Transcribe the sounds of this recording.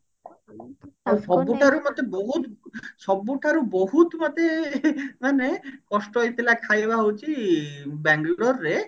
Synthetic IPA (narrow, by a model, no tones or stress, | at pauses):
oʃɔbːuʈʰaɾumɔt̪eboɦut̪ʃɔbːuʈʰaɾuboɦut̪mat̪e | manekɔʃʈɔjt̪elakʰajebaɦot͡ʃʰibɛŋɡlɔɾːe